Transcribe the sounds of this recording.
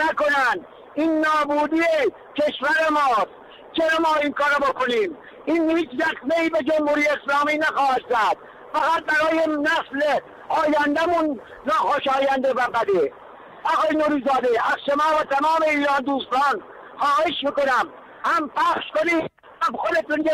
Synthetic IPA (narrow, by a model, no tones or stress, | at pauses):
nækonænd̪ | iːnːɒːbuːd̪ie | ke̞ʃvæɾemɒːs | t͡ʃeɾomɒːinkɒːɾɔbokoniːm | iːnhiːt͡ʃɾæsmeiːbed͡ʒomhuːɾiːjeːslɒːmiːnæxɒːhæd̪zæd̪̥̚ | fæɣæt̪̚bæɾɒːjenæsle | ʔɒːjænd̪æmunː | ɒːxoʃɑːjænd̪ebæbæd̪e | ʔɒɣɑːjenuːɾiːzɑːd̪eæzʃomɑːbet̪ʰæmɑːme̞iːɾɑːnd̪uːst̪ɑːn | xɒːhe̞ʃmikonæm | hæmpæxʃkoniː | æbxod̪et̪unje